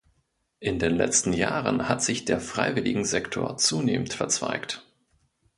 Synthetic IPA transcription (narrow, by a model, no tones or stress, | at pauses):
ʔɪndeːnlɛ̰t͡stn̩jaːʁə̰nhatz̥ɪçd̥eːɐfʁ̥a̰ɪvɪlɪɡŋ̩zɛktʰo̰ːɐt͡suːneːməntfɛɐt͡sv̥a̰ɪkt